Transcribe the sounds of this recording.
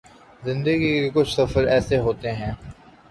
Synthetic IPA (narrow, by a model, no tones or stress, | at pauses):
zɪ̃nd̪əɡikekʊt͡ʃʰsɐfəɾɛːseɦoːt̪eɦɛ̃ː